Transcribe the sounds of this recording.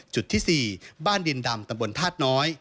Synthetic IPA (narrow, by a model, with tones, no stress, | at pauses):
t͡ɕu˨˩t̪ʰːiː˥˩siː˨˩baː˥˩ndi˧nda˧mt̪a˧mbo˧nt̪ʰaː˥˩t̪̚nɔː˦˥j